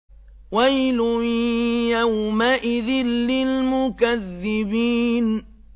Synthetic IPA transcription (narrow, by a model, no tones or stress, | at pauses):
wajlʊjjawmaʔɪðɪlːɪlmʊkaðːɪbiːn